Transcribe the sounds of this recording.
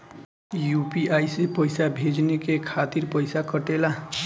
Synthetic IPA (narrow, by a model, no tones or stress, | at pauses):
jupiajsepʌjsabʱed͡ʒnekekʰat̪iɾpʌjsakʌʈela